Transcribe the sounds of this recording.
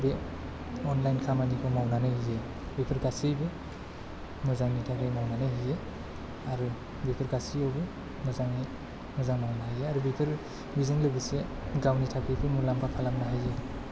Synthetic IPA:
be | ɔnlajnkʰamanibʰɯmawnanɯhije | bipʰɯɾɡasijbɯ | mɯzaŋnitʰakɯjmawnanɯhije | aɾu | bipʰɯɾɡasijawbɯ | mɯzaŋni | mɯzaŋmawnaɦajeaɾubipʰɯɾ | bizɯŋlɯbiseɡawnitʰakʰijpʰɯmulampʰakʰalamnaɦaje

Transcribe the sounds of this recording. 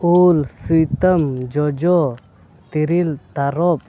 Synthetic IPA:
ulsujt̪əmd͡ʒɔd͡ʒɔ | t̪iɾilt̪aɾɔp̚

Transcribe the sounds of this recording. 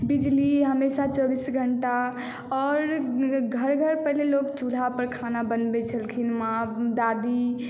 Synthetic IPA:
bid͡ʒliɦəmesat͡ʃɔbisɡʱəɳʈa | ɔːɾɡʱəɾɡʱəɾpəɦlelokt͡ʃul̤apəɾkʰanabənbɛt͡ʃʰəlkʰinmãd̪ad̪i

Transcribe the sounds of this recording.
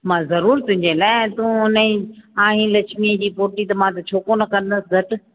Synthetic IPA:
mãːzɐɾuːɾt̪ʊ̃ɦɪ̃ɲd͡ʑelaːɪt̪ũːɦʊnəĩãːɦĩːlɐt͡ɕʰmiəd͡ʑiːpoːɾʈit̪ɐmãt̪ɐt͡ɕʰoːkonɐkɐn̆d̪əsɪzɐʈ̆

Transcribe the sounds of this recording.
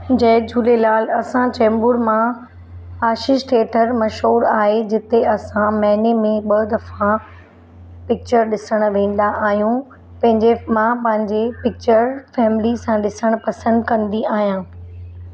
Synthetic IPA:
d͡ʑɐːd͡ʑuːlelaːlɐsãt͡ɕɛ̃ːmbʊɾmã | aːʃɪʃʈʰeːʈʰəɾmɐʃɦuːɾaːɦed͡ʑɪt̪eɐsãmɐ̃ɦnemẽɓɐd̪ɐfã | pɪk̚t͡ɕəɾɗɪsəɽ̃ʊ̆ʋẽːn̆d̪aʔaːɦijũ | pɐ̃ɦɪ̃ɲd͡ʑemãpɐ̃ɦɪ̃ɲd͡ʑepɪk̚t͡ɕəɾfɛːmɪlisãɗɪsəɽ̃ʊ̆pɐsə̃nd̪kɐ̃nd̪iaːɦijãː

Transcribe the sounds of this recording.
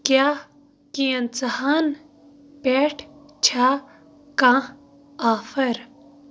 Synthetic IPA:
kjaː | kijɐnt͡sɐhaːn | peːʈʰ | t͡ʃʰaː | kãː | aːfɐɾ

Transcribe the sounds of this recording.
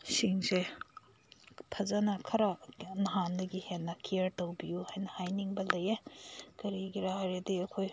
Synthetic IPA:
siŋse | pʰɐzɐnɐkʰɐɾanɐɦandɐɡihenːɐkiɐɾtɐwbijuhajnɐhajniŋbɐlɐjekɐɾiɡiɾahaɾediɐkʰoj

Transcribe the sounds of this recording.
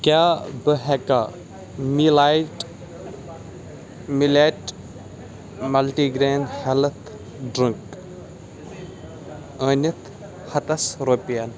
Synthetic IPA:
kʲaːbəɦɛka | milajʈ | mileːʈ | mɐlʈiɡɾeːnd̪helɐt̪ʰ | ɖɾiŋk | əːnʲit̪ʰ | hɐt̪ɐsɾoːpijɐn

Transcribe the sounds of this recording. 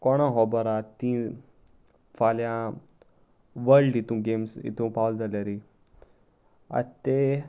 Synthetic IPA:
kɔɽ̃ãɦɔbəɾat̪ĩ | faljã | ʋəlɖit̪ũɡemsḭt̪ũpawld͡zaljaɾi | a̰t̪e

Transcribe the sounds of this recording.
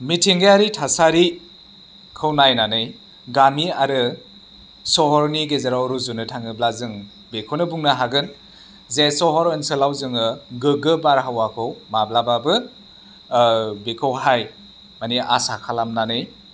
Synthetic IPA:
mitʰiŋɡejaɾitʰasaɾi | kʰɯwnajnanɯj | ɡamiaɾɯ | sɔɦɔɾniɡezaɾawɾuzunɯtʰaŋɯblazɯŋ | bekʰownɯbuŋnaɦaɡɯn | zesɔɦɔɾɯnsɯlawzɯŋɯɡɯɡɯbaɾɦawakʰɯwmablababɯ | bekʰɯwɦaj | maniʔa̰sakʰalamnanɯj

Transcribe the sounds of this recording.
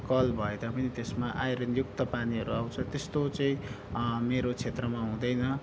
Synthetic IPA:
kʌlbʱʌed̪apʌnit̪esmaʔajɾʌnjuk̚t̪ʌpaniɦʌɾuaw̃t͡sʰʌt̪est̪ot͡sʌĩ | meɾot͡sʰet̪rʌmaɦũd̪ʌjnʌ

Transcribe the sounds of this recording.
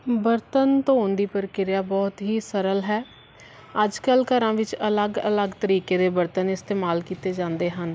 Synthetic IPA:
bəɾt̪ənt̪oːnd̪iːpəɾkɪɾjaːbɔːt̪ɦiːsəɾəlɦɛː | əd͡ʒkəlkəɾãːʋɪt͡ʃələɡə̰ləɡt̪əɾiːkeːd̪eːbəɾt̪ənɪst̪eːmaːlkiːt̪eːd͡ʒãːnd̪eːɦən

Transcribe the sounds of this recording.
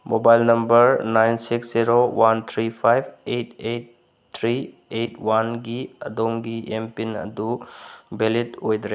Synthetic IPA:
mobajlnɐmbəɾnajnsiksziɾowant̪ʰɾipʰajbetʰet | t̪ʰɾi | etʰwanɡiɐ̰d̪omɡiʔempinɐ̰d̪ubelitojd̪ɾe

